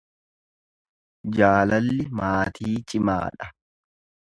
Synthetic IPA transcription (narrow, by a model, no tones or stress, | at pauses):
d͡ʒaːlɐlːɪmaːt̪ʰiːt͡ʃʼɪma̰ːᶑɐ